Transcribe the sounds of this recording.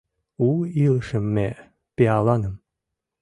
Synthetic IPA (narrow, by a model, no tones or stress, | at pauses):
ulilʃəmːe | peɑlˠɑnəm